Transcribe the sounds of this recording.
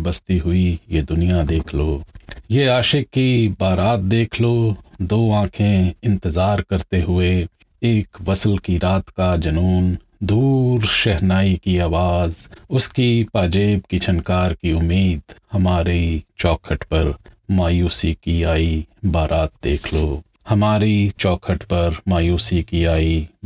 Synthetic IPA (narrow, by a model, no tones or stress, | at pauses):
bəst̪iɦʊijed̪ʊnijad̪eːkʰloːjeaːʃɪkːibaːɾaːt̪̚d̪eːkʰloːd̪oːãːkʰẽɪ̃nt̪ɪzaːɾkɐɾt̪eɦʊe | eːkʋɐsəlkiɾaːt̪kad͡ʒɐnuːn | d̪uːɾʃɛɦnaːikiaːʋaːzʊskipaːd͡ʒeːbkit͡ʃʰɐnkaːɾkiʊmːiːd̪hɐmaːɾit͡ʃɔːkʰəʈpɐɾmaːjuːsikiaːibaːɾʔaːt̪̚d̪eːkʰloː | hɐmaːɾit͡ʃɔːkʰəʈpɐɾmaːjuːsikiaːi